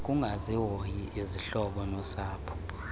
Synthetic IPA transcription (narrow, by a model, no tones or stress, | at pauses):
k̬ʼuŋaziwojiʔiziɬɔɓɔnɔsaːpʰɔ̥